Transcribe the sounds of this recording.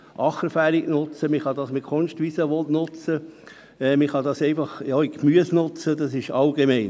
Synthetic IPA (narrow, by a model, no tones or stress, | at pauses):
ʔɑχəɾfæːɾɪɡnʊt͡səmiχɑd̪ɑsmɪtkʰonʃtʋisəʋɔlnʊt͡sə | ɛmiχɑd̪ɑsɛɪfɑχjɑikmyəsnʊt͡səd̪ɑsɪʃɑlɡemɛɪn